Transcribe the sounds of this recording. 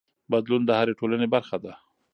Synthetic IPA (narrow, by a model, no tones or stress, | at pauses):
bad̪lund̪əhaɾeʈolanebaɾxad̪a